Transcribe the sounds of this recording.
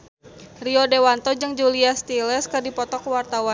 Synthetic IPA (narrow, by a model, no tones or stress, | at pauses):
riɔdewant̪ɔd͡ʒɨŋd͡ʒuliast̪ilɛskɨrdipɔt̪ɔkuwart̪awa